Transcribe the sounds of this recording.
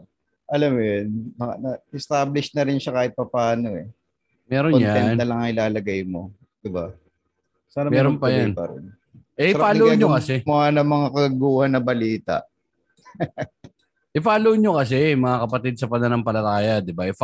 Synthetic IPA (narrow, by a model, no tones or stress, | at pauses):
ʔɐlamjonmɐanɐɪst̪aːblɪʃnɐɾɪnʃakaːhɪt̪̚pɐpaːno̞ɛ | mɛːɾonjaɛnd̪ɐlɐŋɪlaːlɐɡɐjmo̞ | d̪̥ɪba | saːnɐmɛːɾonpɐjanpɐ̰ɾɪ̰n | ʔɛʔɪaːloɲːokɐsɛmʊaːnɐmɐŋakɐɡɐɡuːhɐnːɐbɐliːt̪ɐ̰ʔ | ʔɪpaːlowɲokɐs̬ɛmɐŋakɐpɐt̪ɪd̪̚sɐpɐnɐlɐŋpɐlɐt̪aːjɐd̪ɪbaɪp